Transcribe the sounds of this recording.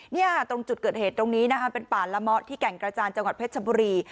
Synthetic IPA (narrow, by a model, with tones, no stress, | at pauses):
ni˥˩ɐt̪o˧ŋt͡ɕu˨˩kɤː˨˩heː˨˩t̪ːɾo˧ŋniː˦˥na˦˥kʰa˦˥pe˧npaː˨˩nla˦˥mɔ˦˥t̪ʰːiː˥˩kɛ˨˩ŋkɾa˧t͡ɕaː˧nt͡ɕa˧ŋwa˨˩t̪̚p̪̚ʰsʰa˧buː˧ɾiː˧